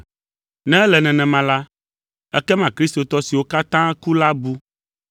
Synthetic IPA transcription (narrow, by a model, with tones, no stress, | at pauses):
nɛ̃˦ɛ˦lɛ˨nɛ̃˨nɛ̃˨mã˨la˦ | ɛ̰˦kɛ˦mã˨kɾi˦st̪o˨t̪ɔ˦si˨wo˦ka˦t̪ã˦ku˦la˦bu˦